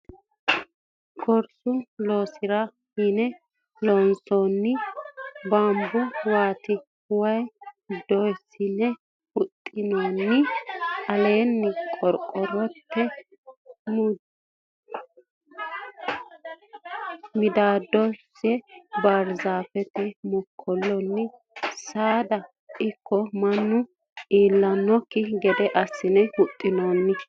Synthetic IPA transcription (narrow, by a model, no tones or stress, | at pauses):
kʰɔɾsʊloːsɪɾɐ | hinɛ | lɔnsoːnːɪ | bambʊwaːt̪ɪ | hʊwɐj | d̪ɔjsɪnɛ | ʊt̪ʼːɪnoːnːɪɐle̞ːnːɪkʼɔɾkʼːɔɾɔpːɛ | m | mɪd̪aːd̪ːɔsːɛbaɾzaːfɛt̪ɛmʊkʰːɔlːɔnːɪ | saːd̪ɐ | ɪkʰːɔmɐnːʊ | ʔiːlːɐnːɔkːɪɡɛd̪ɛʔɐsːɪnɛhʊt̪ʼːɪnoːnːɪ